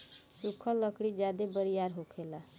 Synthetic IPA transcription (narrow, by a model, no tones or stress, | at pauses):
sukʰəlːəkɽid͡ʒjad̪ebəɾijaɾɦokʰela